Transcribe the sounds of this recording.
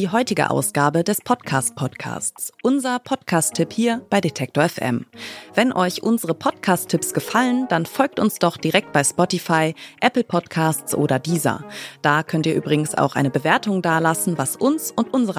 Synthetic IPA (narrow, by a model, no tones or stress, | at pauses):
diːɦɔʏtɪɡə̰ʔa̰ʊsɡ̥aːbədɛspʰɔtkʰaːst̚pʰɔtkʰa̰ːstt͡sʔʊnzɐpʰɔtkʰaːstʰɪphiːɐb̥aɪdetʰɛk̚toɐɛfʔɛ̰mvɛnʔɔʏçʔʊnzəʁəpʰɔtkʰaːstʰːɪpsɡ̥əfalənd̥anfɔlk̚tʊnsd̥ɔχd̥iʁɛk̚t̚b̥aɪspɔtifaɪʔɛpl̩pʰɔtkʰaːstt͡sʔo̰ːdɐdiːzɐ̰d̥aːkʰœntiːɐʔyːbʁɪɡŋ̩sa̰ʊxʔa̰ɪnəbəveːɐtʊŋdaːlasn̩vasʔʊnsʊntʔʊnzəʁ